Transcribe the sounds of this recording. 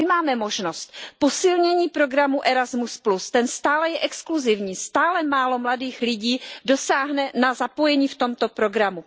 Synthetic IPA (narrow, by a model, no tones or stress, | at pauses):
ɪmaːmɛmo̞ʒno̞st̪po̞sɪlɲɛɲiːpɾo̞ɡɾamuʔɛɾazmusplust̪ɛnst̪aːlɛjɛʔɛkskluzɪvɲiːst̪aːlɛmaːlo̞mladiːxlɪɟiːdo̞saːɦnɛnazapo̞jɛɲiːft̪o̞mt̪o̞pɾo̞ɡɾamu